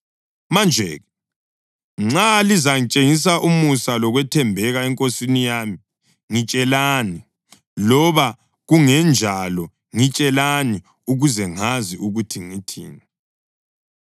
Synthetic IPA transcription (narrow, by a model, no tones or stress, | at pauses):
mand͡ʒʱɛ̰ːɣɛ | ŋ͡ǁalizaŋit͡ʃʼeŋis̬aʔumusalɔɣwɛtʰɛmbʱɛɣaɛŋkʼosinijami | ŋit͡ʃʼɛlani | lɔβa | ɣuŋɛnd͡ʒʱalɔ | ŋit͡ʃʼɛlani | uɣuzɛŋaziuɣutʰiŋitʰḭːnɛ